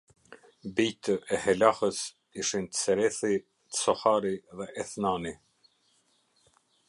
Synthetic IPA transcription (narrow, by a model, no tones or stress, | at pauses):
bit̪ʰəʔɛhɛlahəs | iʃint̪ə̥sɛɾɛθi | t̪sɔhaɾiðɛʔɛθnani